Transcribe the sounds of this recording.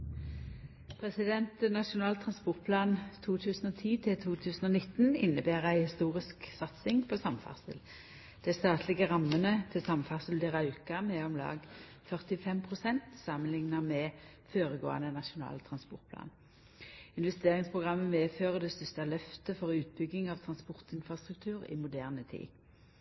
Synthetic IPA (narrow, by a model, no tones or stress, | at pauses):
pʰʁɛsɪd̪ɛnt̪nɑʃʊnɑːlt̪ʰʁɑnspɔʁt̪̚pʰlɑːnt̪ʰuːt̪ʰʉːsn̩oːt̪ʰiːt̪ʰɪlt̪ʰuːt̪ʰʉːsn̩onɪt̪ːnɪ̰nːəbæːʁæɪhɪst̪uːʁɪsksɑt̪sɪŋpʰosɑmfɑ̰ʁsə̰l | d̪̥æst̪ɑːt̪ʰlɪɡəʁɑmːənət̪ʰɪsɑmfɑʁsəld̪ɪʁɑʉkɑmɛɔmlɑ̰ːɡ | fœʁt̪ɪfɛmpʰʁʊsɛnt̪sɑmənlɪŋnɑmɛ | føːʁəɡo̰ːɑ̰nənɑʃʊnɑ̰ːlt̪ʰʁɑnspɔʁt̪pʰlɑ̰ːn | ɪnʋɛst̪eːʁɪŋspʰʁʊɡʁɑmːəmeːføːʁəd̪ɛst̪ʏst̪ɑlœft̪əfɔʁʉːt̪̚bʏɡːɪŋɑʋt̪ʰʁɑnspɔʁt̪ɪnfʁɑst̪ʁʉk̚t̪ʰʉːʁɪ̰mʊd̪æːʁnət̪ʰḭː